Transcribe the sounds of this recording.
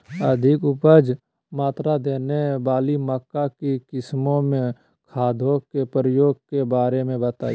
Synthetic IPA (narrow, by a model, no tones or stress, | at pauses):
əd̪ʱɪkʊpəd͡ʒ | maːt̪ɾad̪eːnebaːliməkːakikɪsmõmẽ | kʰaːd̪ʱokepɾəjoːɡ̚kebaːɾemẽbət̪a̰ː